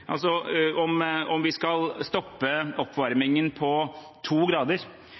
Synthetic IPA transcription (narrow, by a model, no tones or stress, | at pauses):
ʔɑ̰lsɔɔmɔmʋɪskɑlst̪ɔpːəɔpːʋɑɾmɪŋənpʰɔ | t̪ʰuːɡɾɑːd̪əɾ